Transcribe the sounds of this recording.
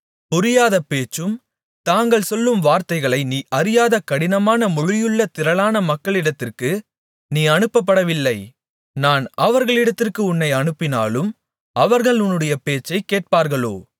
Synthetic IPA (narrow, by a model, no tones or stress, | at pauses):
pʊɾɪjaːðɐpeːt͡ʃːɯm | t̪aːŋɡɐɭsɔlːɯmʋaːɾt̪ɐɪɣɐɭɐɪniːʔɐɾɪjaːðɐkɐɽɪnɐmaːnɐmʊɻɪjɯɭːɐt̪ɪɾɐɭaːnɐmɐkːɐɭɪɽɐt̪ːɪrkɯ | niːɐnɯpːɐp̬ːɐɽɐʋɪlːɐɪ | naːnɐʋɐɾɣɐɭɪɽɐt̪ːɪrkɯʊnːɐɪɐɳɯpːɪna̰ːlɯm | ɐʋɐɾɣɐɭʊnːɯɽɐjɐpeːt͡ʃːɐɪkːeːʈ̚paːɾɣɐɭo̰ː